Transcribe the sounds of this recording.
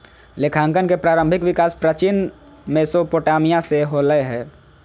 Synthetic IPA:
lekʰãːŋkənkepɾaːɾə̃mbʱɪkʋɪkaːspɾət͡ʃɪn | meːsopoːʈaːmijãseɦoːləeɦɛ̃ː

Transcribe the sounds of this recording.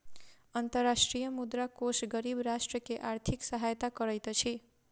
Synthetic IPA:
ʌnt̪ʌrːasʈrijʌmud̪rakosɡʌɾibrasʈrʌkeʔart̪ʰiksʌɦajt̪akʌɾʌjt̪ʌt͡sʰi

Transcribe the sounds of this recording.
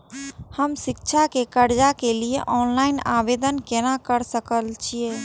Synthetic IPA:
həmʃɪkʃʰakekəɾd͡ʒakelieʔɔːnlaːɪnaːʋeːd̪ənkenakəɾsəkəlt͡ʃʰieː

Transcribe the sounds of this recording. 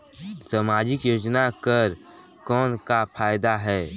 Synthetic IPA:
samaːd͡ʒɪkjoːd͡ʒnakəɾ | kɔːnkapʰaːjd̪aɦɛː

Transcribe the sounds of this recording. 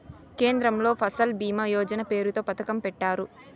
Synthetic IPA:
ke̞ːnd̪ɾɐmlo̞ːpʰɐsɐlbiːmɐjɔːd͡ʒɐnɐpe̞ːɾut̪o̞ːpɐt̪ɐkɐmpɛʈːaːɾu

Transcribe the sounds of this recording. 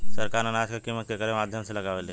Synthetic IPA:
səɾkaːɾnənaːd͡ʒkekiːmːət̪̚kekəɾemaːd̪ʱjəmselɐɡaːʋele

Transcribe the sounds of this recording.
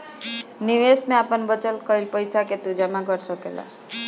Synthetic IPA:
niʋesmẽapənbʌt͡ʃəlkɔilpəjsaket̪ud͡ʒamaɡɔɾsʌkela̰

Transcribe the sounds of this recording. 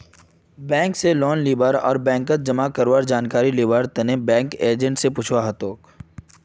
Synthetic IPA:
bɛ̃ːŋkselɔːnliːbəɾɔ̰ːɾbɛ̃ːŋkət̪̚d͡ʒɐmakəɾwəɾd͡ʒaːnkaːɾiliːbəɾt̪ɐnebɛ̃ːŋkeːd͡ʒə̃ɳʈsepʊt͡ʃʰwaɦɐt̪oːk

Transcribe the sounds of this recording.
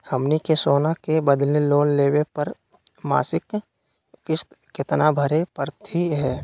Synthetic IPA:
həmnikesoːnakebəd̪leloːnleːwepəɾ | ma̰ːsɪk | kɪʃt̪kɪt̪nabʱəɾepəɾt̪ʰiɦɛː

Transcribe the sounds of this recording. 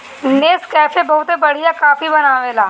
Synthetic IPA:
neːskɛːfebɐɦʊt̪ebɐɽijakaːfibɐnaːʋeːlaː

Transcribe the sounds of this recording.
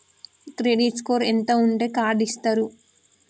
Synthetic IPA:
kɾeɖiʈskoːɾent̪ouɳʈe̞ːkaːɾɖist̪aːɾu

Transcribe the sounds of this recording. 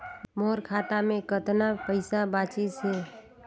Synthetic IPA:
moːɾkʰaːʈ̪amẽkət̪napəɪsabaːt͡ʃɪsɦɛː

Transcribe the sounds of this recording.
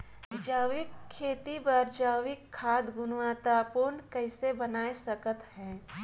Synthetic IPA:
d͡ʒaːwɪkʰːeːt̪ibɐɾd͡ʒaːwɪkʰːaːd̪ɡʊnwaːt̪aːpunkɛɪsebənaːesɐkət̪hɛ̃ː

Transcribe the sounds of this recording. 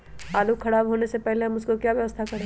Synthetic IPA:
aːlukʰɐɽaːbɦoːnesepɛɦleɦɐmʊskokjaːʋjɐʋəst̪ʰakɐɾe

